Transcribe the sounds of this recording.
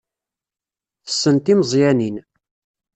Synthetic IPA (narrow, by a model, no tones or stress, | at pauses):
θə̥sːənt̪iməzˤjænin